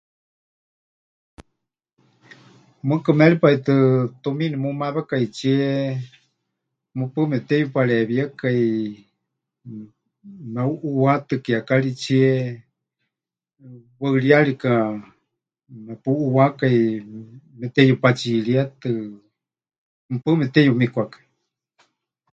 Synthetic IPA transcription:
mɨkɨmɛlipait̪ɨt̪uminimumaβakait͡ʃʰie | mɨpɨmɛt̪ɛjupaɺɛβjəkai | meuʔuwat̪ɨkiakaɺit͡ʃʰiɛ | wəɨliaɺika | mapuʔuwakai | mɛt̪ɛjupat͡ʃiɺiat̪ɨ | mɨpɨmɛt̪ɛjumikʷakḁi

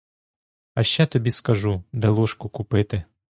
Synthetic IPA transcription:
ɐʃt͡ʃɛt̪ɔbʲiskɐʒud̪ɛlˠɔʃkɔkʊpɪt̪ɪ

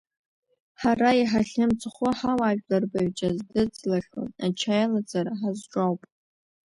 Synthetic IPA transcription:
ħaraiħaɬʲɨmt͡sʰʼχʷʊħawaʒᶣlarbaɥt͡ʃʼazdɨd͡zlaχʲo̰nat͡ʃʰajalad͡zaɾaħazʈ͡ʂʼawpʼ

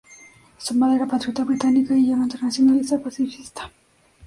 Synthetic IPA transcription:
sumaðeɾapat̪ɾut̪aβɾit̪anikaiʎamaint̪eɾnasjonalisapasifist̪ḁ

